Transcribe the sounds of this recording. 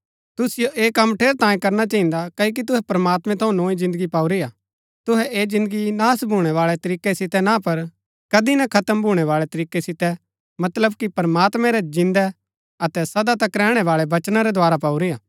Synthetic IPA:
t̪ʊsɪjoʔeːkɐmːʈʰeːɾt̪ãːĩkɐɾnat͡ʃɐːĩnd̪akɐk̬it̪̬ʊɦɛpɾɐmaːt̪mɛ̃t̪ʰɐ̃ũnoːĩzɪ̃nd̪əɡipaːuɾijaː | t̪ʊɦɛʔeːzɪ̃nd̪əɡinaːsbʱuːɽ̃ɛʋaːɭɛt̪ɐɾiːkːɛsɪt̪ɛnãpɐɾ | kɐd̪inakʰɐt̪əmbʱuːɽ̃ɛʋaːɭɛt̪ɐɾiːkɛsɪt̪ɛ | mɐt̪ləb̚kipɐɾmaːt̪mɛ̃ɾɛd͡ʒɪ̃nd̪ɛ | ɐt̪ɛsɐd̪at̪ɐkɾɛːɽ̃ɛʋaːɭɛbɐt͡ʃnaɾɛd̪ʱʊaːɾapaːuɾijaː

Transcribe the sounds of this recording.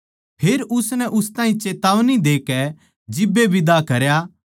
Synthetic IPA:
pʰeːɾʊsnɛʔʊst̪ãːĩt͡ʃeːt̪aːʋnid̪eːkɛ | d͡ʒɪbːebʱɪd̪akɐɾja

